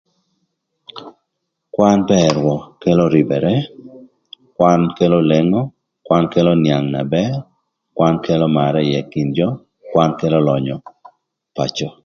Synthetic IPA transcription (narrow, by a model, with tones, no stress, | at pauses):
kwa˦npɛɾwɔ˨ke˦lo˦ɾi˨bɛ˨ɾɛ˦ | kwa˦nke˦lo˦le˦ŋɔ˦ | kwa˦nke˦lo˦nja˨ŋna˨bɛ˦r | kwa˦nke˦lɔ˦ma˨ɾɛ˦jɛ˨ki˨nd͡ʒɔ˦ | kwa˦nke˦lɔ˦lɔ˨ɲɔ˨ | pa˨t͡ʃɔ˨